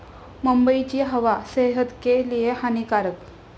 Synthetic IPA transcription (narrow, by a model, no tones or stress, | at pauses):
məmbəit͡ɕiːɦəʋaseɦət̪kelijeɦanikaɾək